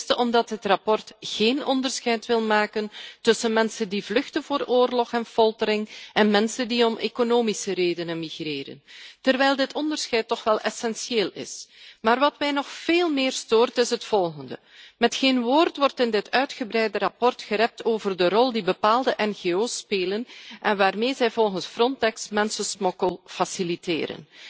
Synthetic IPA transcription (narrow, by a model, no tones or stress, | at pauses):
stəʔɔmdɑtɦətrɑpɔrtɣeːnɔndərsxɛjtʋɪlˠmaːkəntɵsənmɛnsəndivlɵxtənvoːɾoːrlɔxɛnfɔlˠtəɾɪŋɛnmɛnsəndiɔmʔeːkonoːmisəɾeːdənənmiɣreːɾə̰ntərʋɛjlˠdɪtʰɔndərsxɛjtːɔxʋɛlˠʔɛsɛnsjeːlˠɪ̰smaːrʋɑtmɛjnɔxfeːlˠmɪːrstoːrtɪsɦətfɔlˠɣəndə | mɛtxeːnʋoːrtʋɔrtɪndɪtœɥtxəbɾɛjdəɾɑpɔrtxəɾɛp̚tʰoːvərdərɔlˠdibəpaːlˠdəʔɛnɣeːoːspeːlənʔɛnʋaːrmeːzɛjvɔlˠɣənsfrɔntɛksmɛnsəsmɔkəlˠfasilitḛːɾə̰n